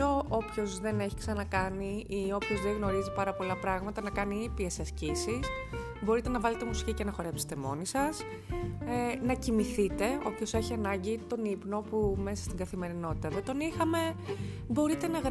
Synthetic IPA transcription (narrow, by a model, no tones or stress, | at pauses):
oʔo̞pço̞zðe̞ne̞çi̥ksɐnɐkɐniio̞pço̞zðeɣno̞ɾizipɐɾɐpo̞lɐpɾɐɣmɐt̪ɐnɐkɐniipiesɐscisis | bo̞ɾit̪e̞nɐvɐle̞t̪emusi̥cicenɐxo̞ɾe̞pse̥t̪e̞mo̞̰nisɐs | enɐcimiθit̪e̞o̞̰pço̞se̞çiɐnɐɲɟit̪o̞nipno̞pume̞sɐ̥st̪iŋɡɐθime̞ɾino̞t̪i̥t̪ɐðe̞t̪o̞nixɐme̞ | bo̞ɾit̪e̞nɐɣ